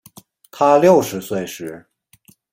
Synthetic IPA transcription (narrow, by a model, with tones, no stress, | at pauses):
t̪ʰa˥ljo˥˩ʊʂɻ̩˧˥swe˥˩ɪʂɻ̩˧˥